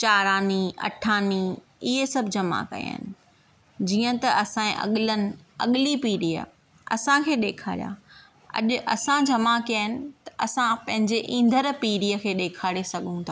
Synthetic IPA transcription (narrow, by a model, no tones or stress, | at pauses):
t͡ɕaːɾaːniɐ̰ʈʰaːni | iɦesɐbʱd͡ʑɐma̰kɐ̰j̰a̰ːɦɪ̰nɪ̆ | d͡ʑiːə̃t̪ɐʔɐsãẽʔɐ̰ɠɪlənɪ̆ɐ̰ɠɪlipiːɾiːə̰ | ɐ̰sãkʰeːɗeːkʰa̰ːɾija̰ː | ɐ̰ʄʊ̆ʔɐsãd͡ʑɐmakijaɦɪnɪ̆t̪ɐ̥ʔɐsãpɐ̃ɦɪ̃ɲd͡ʑeʔĩːnd̪ʱəɾpiːɾiːəkʰeːɗeːkʰaːɽesɐɡʱũt̪ʰaː